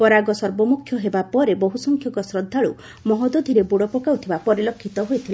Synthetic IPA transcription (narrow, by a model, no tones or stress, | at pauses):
pɔɾaɡɔsɔɾbɔmukʰːjɔɦebapɔɾebɔɦusɔŋkʰjɔŋkɔsɾɔd̪ʱːaɭu | mɔɦɔd̪od̪ʱiɾebuɽɔpɔkawt̪ʰibapɔɾilɔkʰːit̪ɔɦojt̪ʰila